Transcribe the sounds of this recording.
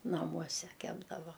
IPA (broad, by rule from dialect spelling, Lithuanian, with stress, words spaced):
nɐˈmuɔsʲɛ ˈkʲæːbdɐʋɐ